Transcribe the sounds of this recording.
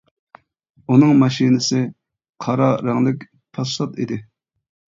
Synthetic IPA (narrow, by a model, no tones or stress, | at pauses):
unɨŋmɑʃinɨsɪ | qʰɑɾɑɾæŋlɪkʲ | pʰɑsɑt̪id̪ɪ